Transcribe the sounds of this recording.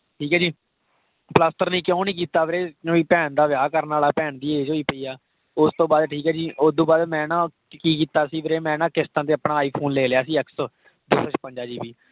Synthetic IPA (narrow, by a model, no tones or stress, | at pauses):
ʈʰiːkɛːd͡ʒiː | pləsʈəɾnĩːkjõːnĩːk̬iːt̪aːʋɾeːoːiːpɛːnd̪aːʋjaːkəɾnaːlaːpɛːɳd̪iːeːd͡ʒoːiːpəiːaː | ʊst̪õːbaːd̪ʈʰiːkɛːd͡ʒiːʔʊsd̪õːbaːd̪mɛ̃ːnãː | kiːkiːt̪aːsiːʋɾeːmɛ̃ːnãːkɪst̪ãːt̪eːəpnaːaːiːpʰoːnleːlɪjaːsiːɛks | d̪ʊːsət͡ʃpəɲd͡ʒaːd͡ʒiːbiː